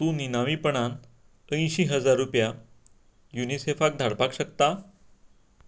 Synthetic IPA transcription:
t̪ũːninaʋiːpəɳ̃an | ə̃j̃ɕiːɦəd͡zaɾːupja | junisefak̚d̪ʱaɽpakɕəkt̪a

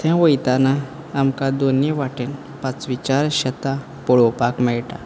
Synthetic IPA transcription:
t̪ʰɛ̃ʋəjt̪anaː | mkad̪oniʋaʈen | pat͡sʋit͡ɕaɾɕət̪a | pɔɭopakmɛɭʈa

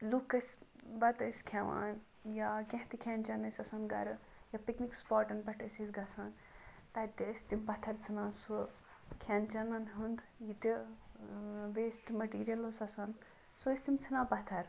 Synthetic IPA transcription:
lukɐsʲbɐt̪ɐsʲkʰeʋa̰ːn | jakẽɦt̪ikʰʲɛːnt͡ʃɐnɐsʲɐsɐnɡɐ̰ɾɨ | japiknikspaːʈɐnbɐʈʰɐsʲɐs̬ʲɡɐsaːn | t̪ɐt̪iəsʲt̪imbɐt̪ʰɐɾt͡sʰɨnaːnso | kʰɛːnt͡ʃɐnɐnɦɨnd̪ | jit̪i | beːsʈmɐʈiːɾijɐlosɐsɐn | soəsʲt̪imt͡sʰɨnãːbɐt̪ʰɐɾ

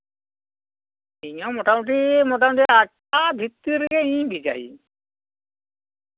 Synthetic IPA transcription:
iɲɔmɔʈamuʈimɔʈamuʈiak | abʱit̪ːiɾiɡɛĩbid͡ʒa̰ḭ

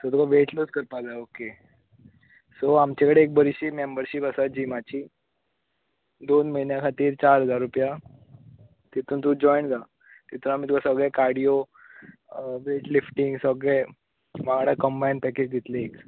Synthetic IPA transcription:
sət̪ukʰaʋeʈlud͡zkəɾpalaoke | soamt͡ɕekəɽeːk̚bəɾiɕiːmembəɾɕipəsat̪̚d͡ʑiːmat͡ɕiː | d̪onməinjakʰat̪iːɾt͡ɕaɾɦəd͡zaɾːupja | t̪it̪ʰuːnt̪ud͡ʑɔjɳd͡za | t̪it̪unamit̪ukasəɡɭekaɾɽijo | ʋeʈlifʈiŋɡsəɡɭe | maɡaɽakəmbajinpɛked͡ʑɡʱit̪leek

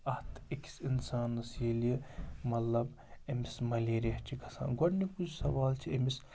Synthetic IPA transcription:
ɐht̪ʰiksinsaːnːɐsiːlijɐmɐt̪lɐb | emismɐleːɾɐɦt͡ʃʰikʰɐsa̰ːnɡɐɽnikut͡ʃʰsɐʋaːlt͡ʃʰiemis

